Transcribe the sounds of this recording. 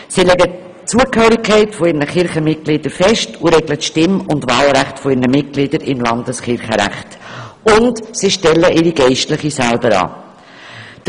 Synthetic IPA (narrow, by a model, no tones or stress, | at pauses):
silɛɡə | t͡suəkhøːɾikʰχɛɪtfɔɪɾnəχɪɾχəmɪt̚ɡ̥lɪd̥əɾfɛʃtuɾɛɡlətʃtɪmʊndvɑːlɾæχtfɔɪɾnəmɪt̚ɡ̥lɪdəɾɪmlɑnd̪əsχɪɾχəɾæ̰χtʊntsiʃtɛlːəʔɪɾiɡɛɪʃtlɪχisælbəɾɑ̰ː